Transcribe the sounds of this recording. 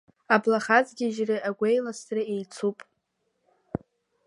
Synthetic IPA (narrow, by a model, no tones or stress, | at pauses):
ablaχazɡʲɪʒrɨaɡʷejlastrɨe̞jt͡sʰupʼ